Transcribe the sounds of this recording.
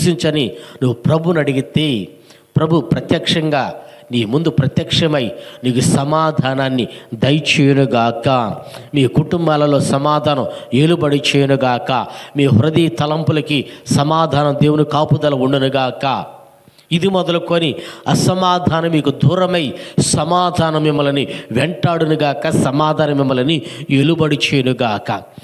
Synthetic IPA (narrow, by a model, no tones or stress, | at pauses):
siɲt͡ʃɐninuʋupɾɐbʱunɐɽiɡit̪e | pɾɐbʱupɾɐt̪jɐkʂɐŋɡaː | niːmund̪upɾɐt̪jɐkʂɐmɐjiniːkusɐmaːd̪ʱaːnaːnːid̪ɐjt͡ʃeːjɐnuɡaːkaːmiːkuʈumbaːlɐlo̞ːsɐmaːd̪ʱaːnɐme̞ːlubɐɽit͡ʃeːjɐnuɡaːkaːmiːɦɾɐd̪iːt̪ɐlɐmpulɐkisɐmaːd̪ʱaːnɐmd̪eːwunikaːpud̪ɐlɐuɳɖunuɡaːka̰ | id̪imɔd̪ɐlukoːniɐsɐmaːd̪ʱaːnɐmiːkud̪ʱuːɾɐmɐjsɐmaːd̪ʱaːnɐmːimːɐlɐniʋeɳʈaːɽunuɡaːkɐsɐmaːd̪ʱaːnɐmimːɐlɐnielubɐɽit͡ʃeːɐnuɡaːkɐ̰